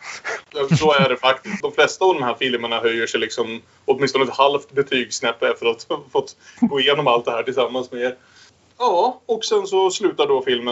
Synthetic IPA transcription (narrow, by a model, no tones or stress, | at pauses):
sɔæɖɛfakt̪ɪ̥sd̪ɔmflɛst̪aːvd̪ɔmɦæːɾfɪlməɳaɦœjːəʂɛjlɪksɔm | ɔt̪̚mɪnst̪ɔnɛt̪halft̪bɛt̪ʰyːɡsnɛpːɛft̪əɾat̪fɔt̪ːɡoːɪjeːnɔmalt̪̚d̪ɛhæːʈʰɪlsamːansmɛ | jɑːɔksɛnsɔslʉ̟ːt̪aɖɔfɪlmə